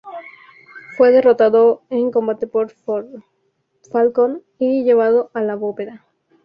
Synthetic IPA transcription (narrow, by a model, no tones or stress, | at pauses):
fwe̞ðe̞rot̪aðoeŋko̞mbat̪e̞poɾ | falkon | iʝe̞β̞aðo̞ʔalaβopeɾa